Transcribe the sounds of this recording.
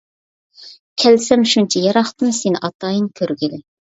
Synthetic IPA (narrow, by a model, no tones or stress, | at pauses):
kʲʰɛlsɛmʃunt͡ʃʰɛjɑɾɑχt̪ɨnsenɪʔɑt̪ɑːjɨŋkʲʰøɾɡʲilɪ